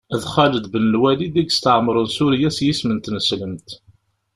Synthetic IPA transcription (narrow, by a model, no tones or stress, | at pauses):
ðχæləd̪bənəlwælid̪æɡst̪əʕməɾˤənsuɾjæsjismənt̪nəsləmt̪